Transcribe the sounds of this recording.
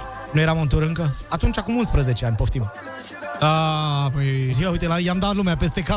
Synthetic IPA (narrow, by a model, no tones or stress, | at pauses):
nuje̞ɾamɨnt̪̬uɾɨŋkəat̪unt͡ʃakumunspɾəzet͡ʃeanʲpoft̪im | d̪̥apəjziaujt̪elajamd̪at̪lumeape̞s̬t̪e̞ka